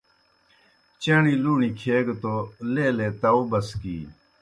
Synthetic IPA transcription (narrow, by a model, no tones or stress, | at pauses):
t͡ɕaːɳiːluːɳiːkʰeːɡt̪oːleːleːt̪ɐːuːbɐskḭː